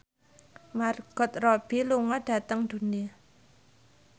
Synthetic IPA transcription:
marɡ̥ɔ̤t̪̚rɔb̥i̤luŋɔɖ̥a̤t̪əŋd̪̥ṳni

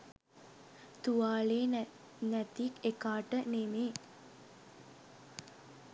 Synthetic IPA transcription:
t̪uʋaːleː | nɛt̪ikekaːʈənemeː

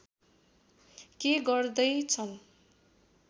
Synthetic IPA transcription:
keɡʌrd̪ʌjt͡sʰʌn

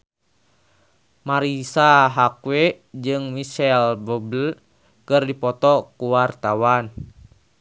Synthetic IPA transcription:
maɾisaɦakwe | d͡ʒɨŋmiʃɛlbubəl | kɨrdipɔt̪ɔkuwart̪awan

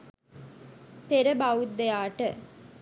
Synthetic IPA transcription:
peɾəbaut̪ːejaːʈə

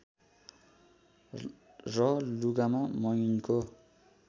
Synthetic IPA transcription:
rʌluɡamamʌjniko

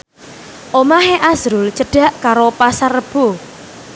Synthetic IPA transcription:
ʔomaɦeʔasɾʊlt͡ʃəɖ̥a̤ʔkaɾopasarəb̥o

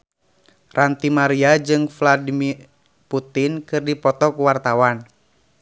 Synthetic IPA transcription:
rʔant̪imaɾiad͡ʒɨŋfladimir | put̪inkɨrdipɔt̪ɔkuwart̪awan

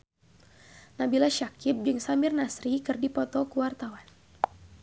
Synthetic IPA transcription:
nabilaʃakɪp̚d͡ʒɨŋsamɪrnasɾikɨrdipɔt̪ɔkuwart̪awan

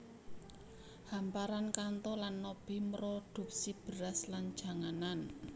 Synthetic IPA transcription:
hampaɾankant̪ɔlanːɔb̥i̤məɾɔɖ̪̥ṳp̚sib̥ə̤ɾasland̥ʒ̥a̤ŋanan

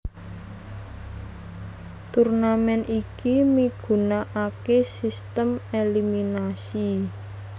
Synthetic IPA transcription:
t̪urnamɛnikimiɡ̥ṳnaʔakesist̪əmeliminasi

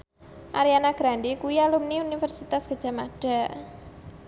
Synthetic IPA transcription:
ʔaɾianaɡ̥ɾaɳdikujalumniunifɛrsit̪asɡ̥a̤d̥ʒ̥a̤maɖ̥a̤

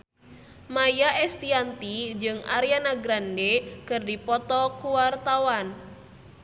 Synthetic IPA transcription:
majaʔɛst̪iant̪id͡ʒɨŋa̰ɾijanaɡɾandekərdipɔt̪ɔkuwart̪awan

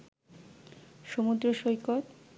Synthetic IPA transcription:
ʃomud̪ɾoʃojkoɾ

